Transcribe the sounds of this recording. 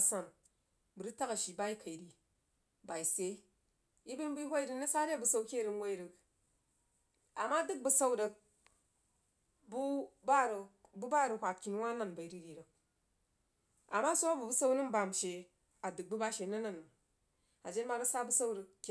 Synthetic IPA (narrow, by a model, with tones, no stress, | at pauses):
sa˨n | bɨ˨ɾɨ˦ta˦ka˨ʃi˨ba˦i˦kʰa˨i˨ɾi˨ | ba˨i˨se˦ | i˦bɨ˦nbu˦ɦʷa˦i˦ɾi˦nə˦sa˦ɾa˦˨bu˨sa˦wkʲe˦˨ɾɨ˨nwa˦i˦ɾɨ˨k | a˨ma˦dɨ˦k̚bu˨sa˦wdə˧k̚ | bu˦ba˦ɾə˨bu˦ba˦˨ɾɨ˨hʷa˨t̚kʲi˨n˦wa˦na˦˨nba˨i˨ɾi˦ɾi˨ɾə˨k̚ | a̰˨mːa˦so˦a˦bu˨bu˦sa˦u˦nɨ˦mba˨m˨ʃe˨ | a˨dɨ˨k̚bɨ˦ba˦ʃe˨nɐ˦na˦n˨ | a˨d͡ʒe˦nma˦bɨ˦sa˦bu˦sa˦wɾə˧k̚k